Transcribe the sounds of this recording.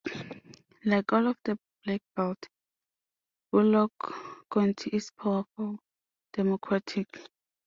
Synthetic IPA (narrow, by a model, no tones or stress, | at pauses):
lajkɔlɔfd̥ə | b̥lɛk̚b̥ald | bulɔkːɔ̃ntʰiʔispʰawafɔl | d̥ɛmɔkʰɹatʰik